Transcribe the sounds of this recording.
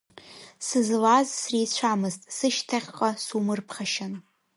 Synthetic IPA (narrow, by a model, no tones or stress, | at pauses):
sɨzlazsrit͡ɕʷʰamɨztʼsɨʃtʰaχʲqʼasumɨrpʰχʲaʃan